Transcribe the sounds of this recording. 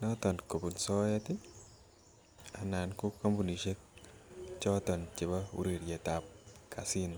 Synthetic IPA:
nɔtɔ˨nko˨bu˨nsɔ˦ja˦tɪ | ana˨nku˦ka˦mbu˨ni˨ʃe˦k̚ | t͡ʃɔ˦tɔ˨nt͡ʃe˨baṵ˦ɾi˨ɾjɛ˨tap̚kʰa˨sin

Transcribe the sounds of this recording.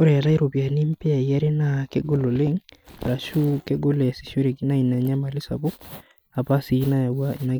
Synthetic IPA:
o˦ɾɛ˨a˨ɾa˦i˦ɾo˨pja˨ni˦m˦pe˦a˨i˨a˦ɾe˦na˨ke˦ɡo˦lo˨le˦ŋɾa˨ʃu˦ke˦ɡo˦le˨a˨si˨ʃo˦ɾe˨ki˦na˦i˨na˨ɲa˦ma˨lɪ˦sa̰˨bo˦ | a˨pa˦si˨˦na˦˨wa˦˨na˨

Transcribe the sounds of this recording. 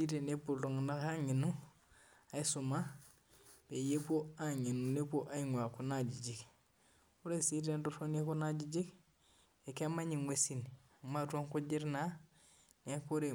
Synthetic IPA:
i˦ɾe˨ne˦pu˨lo˨ŋna˦a˦ŋi˨nu | a˨isuma | b̥e˨je˦po˦aɲi˨nu˨ne˦po˦ʔa˦iŋwa˨kunad͡ʒi˨ɟi˨k | u˦ɾesiɾendufone˦ku˦na˦ɟi˦d͡ʒi˦k | eke˦maɲiŋwʷesin | amatu˦o˦ŋkuɟi˦ɾna | neko˦ɾe

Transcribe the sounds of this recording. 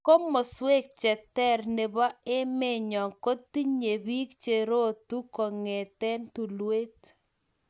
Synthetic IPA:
ko˦mɔ˨swe˦k̚t͡ʃɛ˨tɛ˦˨ɾne˨ba˦ɪ˦me˦˨ɲɔ˨ŋko˦tːi˦ɲe˨bi˦kt͡ʃe˨ɾo˦tu˦kɔ˨ŋe˨tɛ˦ntu˨lwe˦t

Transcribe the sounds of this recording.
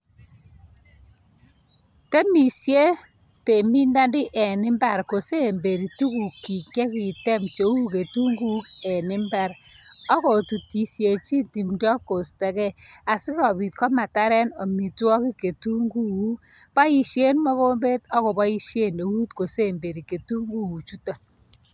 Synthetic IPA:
te˦mi˨sje˦ | te˨mi˦nda˦ndɪ˦ʔɛ˨nɪ˦mba˨ɾko˨se˦˨mbe˨ɾi˨tu˦ku˨ki˨kjɛ˦ki˨tɛ˦mt͡ʃe˨u˦ke˨tu˦ŋɡu˦kɛ˨nɪ˦mbɛ˦ɾ | ɔ˦kɔ˨tu˨ti˨sje˨t͡ʃi˦nti˨mdɔ˦kːo˨stɛ˨kɛ˦a˨sɪ˦kɔ˨pi˨tkɔ˦ma˨ta˦ɾɛ˦nɔ˨mi˨twɔ˦ki˦ke˨tu˦ŋɡu˦u˦ | pa˦i˨ʃje˦nmɔ˦ko˦mbe˦tɔ˦kɔ˨bɔ˦i˦ʃje˦ne˨wu˦tko˨se˦˨mbe˨ɾi˨ke˨tu˦ŋɡu˦u˨t͡ʃu˦to˨

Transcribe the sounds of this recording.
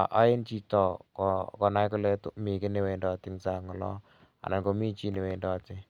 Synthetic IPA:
ʔa̰˦ɪ˦nt͡ʃi˦tɔ˨kɔkɔ˨na˦jkʊ˦lɛ˦tʊ˦mi˨kɪ˦ne˨we˨ndɔ˨tɪ˦ŋsa˦˨ŋɔ˨lɔ̰˦ | a̰˨na˨ko˧mi˦t͡ʃi˦ni˨we˨ndɔ˨tɪ˦

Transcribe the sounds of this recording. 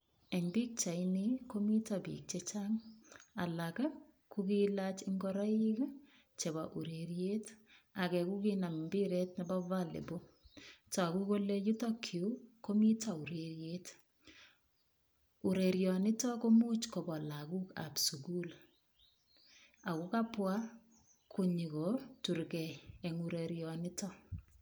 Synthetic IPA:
ɛ˨ɲbi˦k̚t͡ʃa˨iniko˦mi˦tabḭ˨k̚t͡ʃet͡ʃaŋa̰˨laka˦ | kuki˦lat͡ʃɪŋɡɔɾa˦i˦k | t͡ʃe˨ba˨ʔu˨ɾeɾje˦ta˨kɛ˨ku˦kina˨mbɪ˦ɾet̚nɛ˦ba˦valḛ˨bo˦ta˨ku˦ko˦le˦ju˦tɔ˦kʰiu˦ko˦mi˦ta˨u˨ɾe˨ɾjet | u˨ɾe˨ɾjɔ˨nɪ˦tɔ˦ko˦mu˦t͡ʃko˨bɔ˨la˨ku˦ka̰˨psu˨ku˦l | a˨ku˦ka˦pwa˦ | kʰo˨ɲi˨kɔ˨tu˨ɾkɛ˨ɛ˨ŋu˨ɾeɾjɔ˨nɪ˦tɔ˦

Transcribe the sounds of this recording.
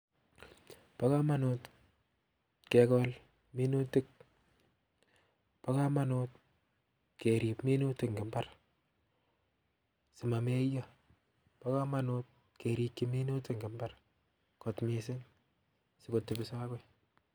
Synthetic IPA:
pa˦ka˦ma˦no˦t | ke˨kɔ˦l | mi˦nu˦tɪ˦k̚ | pa˦ka˦ma˦not̚ | ke˨ɾi˨pmi˦nu˦tɪkŋɡɪ˨mba˦r | sɪ˨ma˨me˦jɔ˦ | pa˦ka˦ma˦not̚ | ke˨ɾi˨kːi˦mi˦nu˦tɪ˨ŋɡɪ˨mba˦r | kɔ˨tmisɪ˦ŋ | sɪ˨ko˨tːɪ˨bɪ˨saː˦kwɛ˦

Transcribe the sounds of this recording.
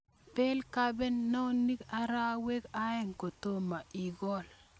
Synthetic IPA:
pe˦lka˦be˦nːɔ˦ni˦ka˦ɾa˦we˦ka˦ɛ˦ŋko˨to˦ma˨i˨ɡɔ˦l

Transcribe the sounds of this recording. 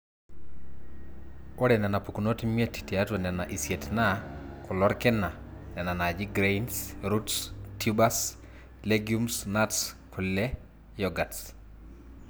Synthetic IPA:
oɾɛ˨nɛ˨na˨pu˨kuno˦timeti̥te˨a˦two˨nɛ˨na˨ʔi˨sjetnakʊ˨lɔ˦ɾkɪna˨ | nɛ˨na˨na˨d͡ʒi˦ɡɾejnsɾutstjubas | leɡiumsnatskʰu˨lle | jɔɡats

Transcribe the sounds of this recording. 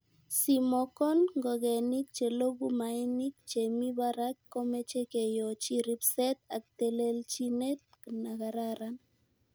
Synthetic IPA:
si˨mɔ˨kɔ˦nŋɡɔ˨ɡɛ˨ni˦k̚t͡ʃe˨lo˦ɡu˦ma˨ɛ˦ni˦k̚t͡ʃe˨mi˦ba˦ɾa˦kːɔ˦mɛ˦t͡ʃe˦ke˨jɔ˨t͡ʃi˦ɾi˦psɛ˦t̪a˨k̚t̪e˨le˦lt͡ʃi˦ne˦t̪̚kna˨ɣa˨ɾaɾan

